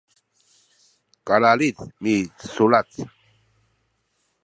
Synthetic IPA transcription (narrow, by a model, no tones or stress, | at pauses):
kalalit͡smit͡ssulat͡s